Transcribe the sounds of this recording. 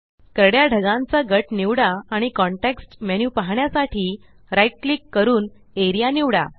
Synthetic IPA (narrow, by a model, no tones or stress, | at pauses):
kəɾəɽjaɖʱəɡãnt͡saɡəʈniʋɽaːɽ̃ikɔɳʈeksʈmenjupaɦɳjasaʈʰiː | ɾajʈ̚klikːəɾuːn | eɾijaniʋɽa̰